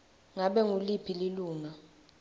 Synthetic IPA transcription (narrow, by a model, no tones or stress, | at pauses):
ŋaɓɛŋulipʰililuːŋa